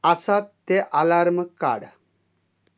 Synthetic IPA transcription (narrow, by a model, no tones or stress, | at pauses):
asatt̪ːeʔalaɾməkːa̰ɽ